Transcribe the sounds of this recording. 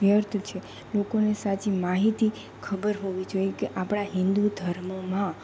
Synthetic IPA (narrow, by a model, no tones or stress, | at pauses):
jəɾt̪ʰt͡ʃʰe | lokonesat͡ʃimaɦit̪i | kʰəbəɾɦoʋid͡ʒojekeʔapɽ̃aɦɪ̃nd̪ud̪ʱəɾməmã